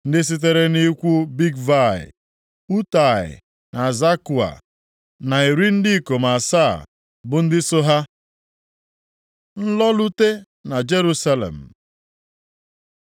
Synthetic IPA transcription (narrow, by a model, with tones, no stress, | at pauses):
n̩˦dɪ˦s̬i˦t̬e˦ɾe˦ni˦kʷu˦bi˦ɡva˦˨ɪ̰˨ | u˦ta˨ɪ̰˨ | na˨za˦ku˨a̰˨ | na˨i˨ɾi˦n̩˦di˦ko˨ma˨sa˦˨ | bʊ˨n̩˦dɪ˦so˦ɦa˦ | n̩˦lɔ˦lu˦te˦ | na˨d͡ʒe˦ɾu˦sa˦lḛ˨m̩˨